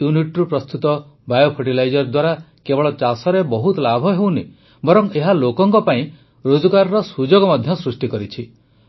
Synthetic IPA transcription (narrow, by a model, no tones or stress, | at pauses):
juniʈɾupɾɔst̪ut̪ɔ | bajopʰoʈ̬ilajd͡ʒɔɾd̪waɾa | kebɔɭɔt͡ʃasɔɾebɔɦut̪ɔlabʱɔɦew̃ni | bɔɾɔŋeɦalokɔŋkɔpaĩ | ɾod͡ʒɔɡaɾɔɾɔsud͡ʒoɡɔmɔd̪ʱjɔsɾusʈikɔɾit͡ʃʰi